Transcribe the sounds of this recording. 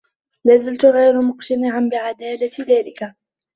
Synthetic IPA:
laːzalt̪ʊɣajɾʊmʊqt̪anɪʕanbɪʕad̪aːlat̪ðaːlɪka

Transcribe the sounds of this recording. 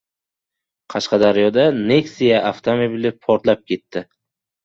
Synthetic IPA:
qʰɑʃqʰɑd̪aɾjɒd̪ane̞ksijaaft̪ʰomobilɪpʰɒɾt̪lap̚kʲʰe̞t̪ːɪ

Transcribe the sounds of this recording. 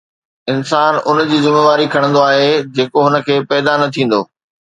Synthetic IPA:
ɪnsaːnʊ̰nd͡ʑiːzɪmeːʋaːɾikʰɐɽ̃nd̪oaːɦed͡ʑeːkoɦʊnə̆kʰeːpɛːd̪anɐt̪ʰĩːn̆d̪oː

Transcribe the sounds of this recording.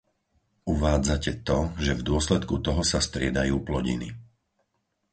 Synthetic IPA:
uʋaːd͡zacɛt̪ɔʒɛvd̪ʊɔslɛt̪kut̪ɔɦɔsast̪ɾɪɛd̪ajuːplɔɟḭnḭ

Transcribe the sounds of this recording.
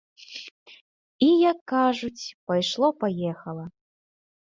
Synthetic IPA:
ijakːaʐut͡sʲpajʂlˠɔpajɛxɐlˠɐ

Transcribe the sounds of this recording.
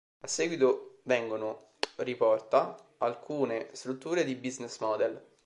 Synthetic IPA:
asːɛːɡwit̪ovɛŋɡono | ripɔrt̪a | alkʰuːnest̪ɾut̪ːuːɾed̪ibiznesmɔd̪ɛl

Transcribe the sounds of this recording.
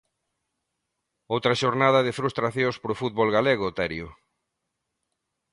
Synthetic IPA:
owt̪ɾɐʃoɾnaðɐðɪfɾust̪ɾaθjõŋspɾofut̪βolɣaleɣ̞oʊt̪ɛɾjʊ

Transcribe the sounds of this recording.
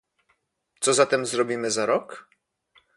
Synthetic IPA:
t̪sɔzat̪ɛmzɾɔbʲimɘzaɾɔk

